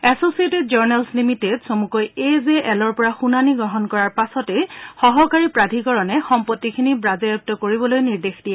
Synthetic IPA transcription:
ɛsosietid̚zɔɹnɛlslimitedsomukɔjezeʔɛlɔɹpɔɹaxunaniɡɹɔɦɔnkɔɹaɹpasɔtɛxɔɦɔkaɹipɹadʱikɔɹɔnɛxɔmpɔtːikʰinibɹazɛuk̚tɔkoɹibɔlojniɹdexdijɛ

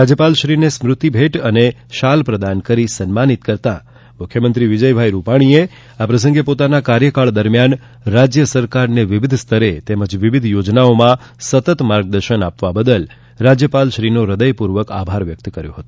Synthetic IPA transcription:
ɾad͡ʒjəpalʃɾinesmɾʊt̪ibʱeʈəne | ʃalpɾəd̪ankəɾisənmanit̪kəɾt̪a̰ | mʊkʰjəmənt̪ɾiʋid͡ʒəjbʱajɾupaɽ̃ie | apɾəs̬ə̃ŋɡepot̪anakaɾjəkaɭd̪əɾmjan | ɾad͡ʒjəsəɾkaɾneʋiʋid̪ʱst̪ʰəɾet̪eməd͡ʒʋiʋid̪ʱjod͡ʒnaomã | sət̪ət̪maɾɡ̚d̪əɾʃənapʋabəd̪əl | ɾad͡ʒjəpalʃɾinoɾəd̪əjpuɾʋəka̰bʱaɾʋjək̚t̪kəɾjṵ̃ɦət̪ũ

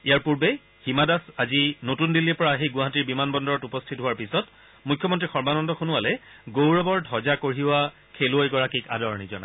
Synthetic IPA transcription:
ijaɹpuɹbe | ximadasazinotundilːipɔɹaxejɡʊ̃ɦatiɹbimanbɔndɔɹɔtupɔstʰitɦʊaɹpisɔt | mukʰjɔmɔntɹixɔɹbanɔndɔxunʊalɛɡowɹɔbɔɹdʱɔzakoɹiwa | kʰelʊojɡɔɹakika̰dɔɹnizɔ̰na̰

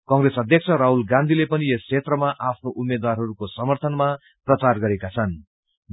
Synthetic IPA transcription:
kʌŋɡresʌd̪ʱjʌkt͡sʰʌɾaɦulɡãnd̪ʱilepʌniest͡sʰet̪rʌmaʔapʰnoʔumed̪warɦʌɾukosʌmʌrt̪ʰʌnma | prʌt͡sarɡʌɾekat͡sʰʌn

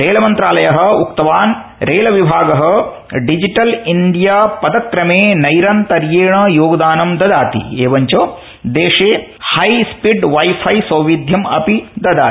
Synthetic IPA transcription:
ɾeːlɐmɐnt̪ɾaːlɐjɐɦɐ̆uk̚t̪ɐʋaːn | ɾeːlɐʋibʱaːɡɐɦɐ̆ | ɖid͡ʒiʈɐliɳɖijaːpɐd̪ɐkɾɐmeːnɐjɾɐnt̪ɐɾjeːɳɐjoːɡɐd̪aːnɐmd̪ɐd̪aːt̪ḭeːʋɐɲt͡ʃo | d̪eːʂeːhɐjspiɖʋɐjfʰɐjsɐwʋid̪ʱjɐmɐpid̪ɐd̪aː

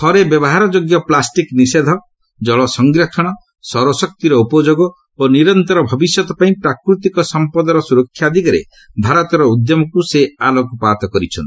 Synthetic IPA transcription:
t̪ʰɔɾebjɔbɔɦaɾɔd͡ʒoɡjɔplasʈiknised̪ʱɔ | d͡ʒɔɭɔsɔŋɡɾakʰɔɽ̃ɔ | sɔɾɔsɔk̚t̪iɾɔupɔd͡ʒoɡɔ | oniɾɔnt̪ɔɾɔbʱɔbisjɔt̪ɔpaĩpɾakɾut̪ikɔsɔmpɔd̪ɔɾɔsuɾɔkʰːjad̪ʱikaɾḛ | bʱaɾɔt̪ɔɾɔud̪jɔmɔkusealɔkupat̪ɔkɔɾit͡ʃʰɔ̰nt̪i̥

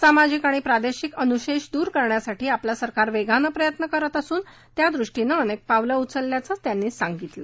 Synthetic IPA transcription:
samad͡ʑikaɽ̃ipɾad̪eɕikənuɕeɕd̪uːɾkəɾɳjasaʈiːaplasəɾkaɾʋeɡʱanəpɾəjət̪nəkəɾət̪əsuːn | t̪jad̪ɾuʂʈinəːnek̚paʋləut͡səlːjat͡sət͡st̪janːiːsaŋɡit̪lə

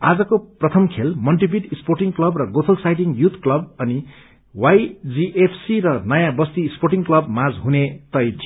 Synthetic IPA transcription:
ad͡zʌkoprʌt̪ʰʌmkʰelmʌlʈibiɖsporʈiŋklʌbrʌɡot̪ʰʌlsajʈiŋjut̪ʰklʌbʌni | wajd͡ziʔepʰsiɾʌnʌjãbʌst̪iːsporʈiŋklʌbmad͡zɦunet̪ʌjt̪ʰi

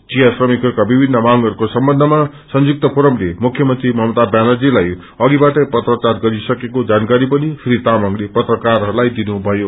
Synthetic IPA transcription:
t͡sijasrʌmikʌɾkabibʱinːʌmaŋɡʌɾukosʌmbʌnd̪ʱʌma | sʌnd͡zuk̚t̪ʌpʰoɾʌmlemukʰjʌmʌnt̪rimʌmt̪abjanʌd͡zilaj | ʌɡibaʈʌpʌt̪rʌt͡sarɡʌɾisʌkekod͡zankaɾipʌnipʰiɾit̪amʌŋlepʌt̪rʌkarɦʌɾulajd̪inubʱʌjo

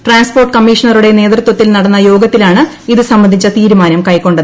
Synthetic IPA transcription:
ʈraːnsporʈːɨkɐmːiʂɐɳɐruɽe̞ne̞ːd̪rɨt̪wɐt̪ːilnɐɽɐnːɐjo̞ːɡɐt̪ːilaːɳɨ | iðɨsɐmbɐnd̪ʱit͡ɕːɐt̪iːɾumaːnɐmkɐjkːo̞ɳɖɨð

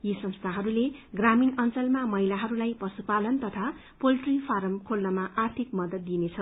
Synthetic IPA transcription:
jisʌnst̪ʰaɦʌɾuleɡraminʌnt͡sʌlmamʌilaɦʌɾulajpʌsupalʌnt̪ʌt̪ʰa | polʈripʰaɾʌmkʰolnʌmaʔart̪ʰikmʌd̪ʌt̪̚d̪inet͡sʰʌ

